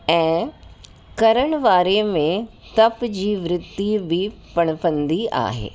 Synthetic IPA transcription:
ɛ̃ː | kɐɾəɽ̃ʋaːɾemẽt̪ɐpd͡ʑiːʋɾɪd̪ibʱipɐɽ̃pɐ̃nd̪ia̰ːɦḛː

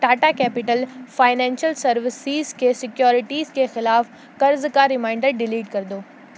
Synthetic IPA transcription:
ʈaːʈakɛːpɪʈəlfaːɪnɛ̃ːnʃəlsɐɾʋɪsizkesɪkjoːɾɪʈiːzkexɪlaːf | kɐɾzkaɾɪmãːɪ̃ɳɖəɾɖɪliːɖkɐɾd̪oː

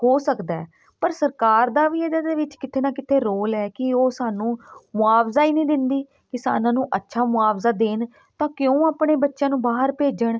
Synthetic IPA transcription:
ɦoːsəkd̪aɛː | pəɾsəɾkaːɾd̪aːʋiːɛːd̪aːd̪eːʋɪt͡ʃkɪt̪ʰeːnaːkɪt̪ʰeːɾoːlɛːkɪoːsaːnũːmʊaːfzaːiːnĩːd̪ɪnd̪iː | kɪsa̰ːnãːnũːʔətːʃʰaːmʊaːpzaːd̪eːn | t̪ãːkjõːaːpɳeːbətːʃãːnũːbaːɦəɾpeːd͡ʒəɳ

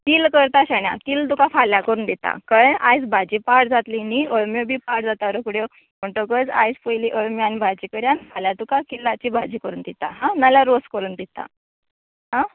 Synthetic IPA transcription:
t̪iːlkəɾt̪aɕaɳja̰t̪iːlt̪ukafaljakəɾuːnd̪it̪a̰kəja̰jt͡sbʱad͡ʑipaʈd͡zat̪liniəɭmjobʱiːpaɽd͡zat̪aɾəkuɽjo | m̤əɳʈokət͡sa̰jspəjliʔəɭmjanibʱad͡ʑikəɾjanfaljat̪ukakilːat͡ɕiːbʱad͡ʑiːkəɾuːnd̪it̪aɦãnaljaɾoskəɾuːnd̪it̪a̰ | ɦã

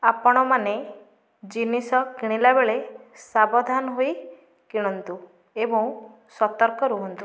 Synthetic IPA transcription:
apɔɽ̃ɔmane | d͡ʒinisɔkiɽ̃ilabeɭesabɔd̪ʱanɔɦoj | kiɽ̃ɔnt̪u | ebɔ̃w̃ | sɔt̪ɔɾkɔɾuɦɔnt̪u

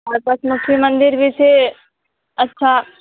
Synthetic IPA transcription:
ɐɾpɾɐt̪mʊkʰjimə̃nd̪ɪɾbʱit͡ʃʰe | ɐtːʃʰa

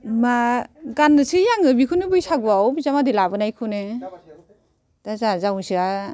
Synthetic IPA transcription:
maɡanːɯsijaŋɯbikʰunɯbɯjsaɡuawbizamadilabɯnajkʰune | d̥azazawsia

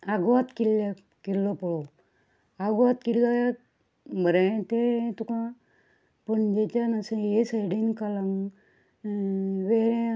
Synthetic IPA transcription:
aɡʋat̪kilːa | kilːɔpɔɭɔ | aɡʋat̪kilːaja | bʱəɾẽt̪et̪ukã | pəɳd͡ʒet͡ɕanasəjesajɽinkalaŋɡ | ʋeɾẽ

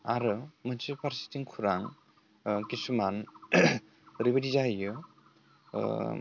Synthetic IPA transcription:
a̰ɾɯmɯnsɯpʰaɾsi̥tiŋkʰuɾaŋ | kisuman | ɾibadizajɯ̰

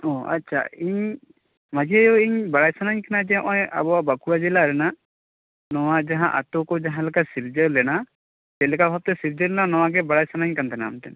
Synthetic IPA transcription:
ɔ̃a̰tːt͡ʃʰa̰iɲ | mad͡ʒiajɔiɲbaɽajsanaɲkanad͡ʒɛʔɔ̃ja̰bɔwabakuɾad͡ʒɛlaɾɛna | nɔwad͡ʒaɦãʔa̰t̪ɔkɔd͡ʒaɦãlakasiɾd͡ʒəlɛna | d͡ʒɛlɛkabʱab̚t̪ɛsiɾd͡ʒəɾlɛnanɔwaɡɛbaɽajsanaɲkant̪ʰɛnamt̪ɛ̰n

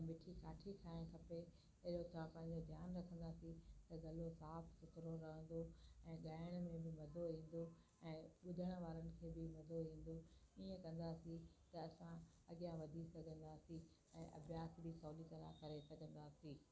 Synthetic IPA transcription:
mɪʈʰikaːʈʰikʰaːɪɽ̃kʰɐpe | ɐɦɪɗot̪ɐãpɐ̃ɦɪ̃ɲ̆d͡ʑod̪ʱjaːnɾɐkʰə̃nd̪aːsĩt̪ɐɡɐlosaːfsʊt̪ɾoɾɐɦə̃n̆d̪oɛ̃ːɠaːɪʊɽ̃mẽbɪmɐd̪ʱoĩːn̆d̪o | ɛ̃ːɓʊd̪ʱəɽ̃̆ʋaːɾənɪ̆kʰeːbɪmɐd̪ʱoɦĩːn̆d̪oiːə̃kɐ̃nd̪aːsĩt̪ɐɐsã | ɐɠɪjãʋɐd̪ʱisɐɡʱə̃nd̪aːsi | ɛ̃ːʔɐ̰bjaːsbisɔːlit̪ɐɾa̰kɐɾesɐɡʱə̃nd̪aːsiː

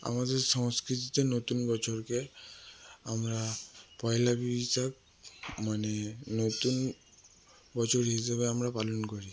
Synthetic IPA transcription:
a̰mad̪eɾsɔŋskɾit̪it̪enot̪unbɔt͡ʃʰoɾke | amɾapɔjelabibisak̚ | manenot̪un | bɔt͡ʃʰoɾɦisebeamɾapalɔnkɔɾi

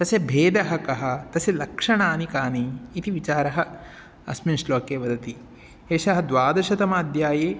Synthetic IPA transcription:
t̪ɐsebʱeːd̪ɐɦɐkɐɦɐ̆t̪ɐselɐkʂɐɳaːnikaːniːt̪iʋit͡ʃaːɾɐɦɐ | ɐ̰sminʂloːkeːʋɐd̪ɐt̪i | eːʃɐɦɐ̆d̪ʋaːd̪ɐʃɐt̪ɐmaːd̪ʱjaːjeː

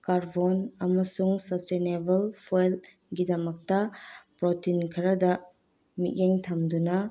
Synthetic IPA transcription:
kaɾbonɐmɐsuŋsɐpstenebɐlpʰojl | ɡidɐmɐk̚tɐpɾotinkʰɐɾɐdɐ | mḭʔ̚jeŋtʰɐmdunɐ

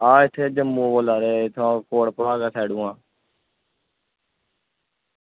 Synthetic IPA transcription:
aːɪt̪ʰeːd͡ʒəmːũːbolaːɾeːt̪ʰãːkoːɽpəɽaːkaːsʰɛːɽũːãː

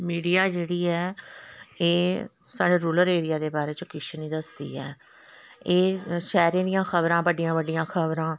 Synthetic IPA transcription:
miːɖijaːd͡ʒeːɽiːɛː | eː | saːɖeːɾuːləɾeːɾɪjaːd̪eːbaːɾeːt͡ʃkɪʃʰnĩːd̪əsd̪ḭːɛ̰ː | eːʃɛːɾẽːd̪ɪjãːkʰəbɾãːbəɖɪjãːbəɖɪjãːkʰəbɾãː

